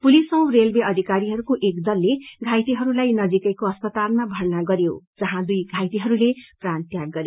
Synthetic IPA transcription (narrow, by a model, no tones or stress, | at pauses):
pulisʌw̃relbeʌd̪ʱikaɾiɦʌɾukoʔekd̪ʌlːeɡʱajt̪iɦʌɾulajnʌd͡zikʌjkoʌspʌt̪almabʱʌrnaɡʌɾjo̰d͡zʌɦãd̪ujɡʱajt̪iɦʌɾuleprant̪jaɡɡʌɾjo